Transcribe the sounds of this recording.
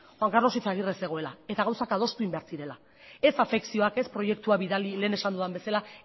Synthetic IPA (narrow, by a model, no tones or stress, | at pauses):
xwaŋkarno̞sit͡saɣ̞irese̞ɣ̞o̞e̞laet̪aɣawsakað̞o̞st̪uimbeaɾt͡siɾe̞la | e̞safe̞ksio̞ake̞spɾo̞je̞kt̪uaβiðalile̞ːne̞sand̪uðambe̞sala